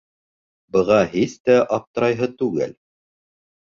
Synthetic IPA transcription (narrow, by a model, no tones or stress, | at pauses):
bɤ̆ʁɑhiθt̪æʔɑp̚t̪ɤ̆ɾɑjɦɤt̪ʉɡɘ̰l